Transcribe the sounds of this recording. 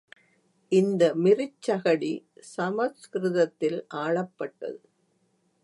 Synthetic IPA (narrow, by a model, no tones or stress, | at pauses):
ʔɪnd̪ɐmɪrɪt͡ʃːɐɣɐɽisɐmɐskɾɪðɐt̪ːɪlʔaːɭɐpːɐʈːɐ̰ðɯ